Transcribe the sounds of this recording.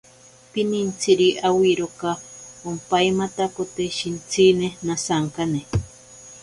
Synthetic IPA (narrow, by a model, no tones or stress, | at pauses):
pinint͡sʰiɾiʔawiɾokaompaimat̪akot̪eʃint͡sʰinenasaŋkane